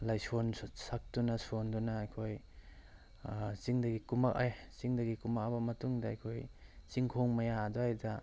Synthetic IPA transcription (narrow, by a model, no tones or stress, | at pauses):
lajsonsak̚tunɐsondunɐːjkʰoj | siŋdɐɡikumakajsiŋdɐɡikumak̚abɐmɐtuŋdɐːjkʰojsiŋkʰoŋmɐjadoajdɐ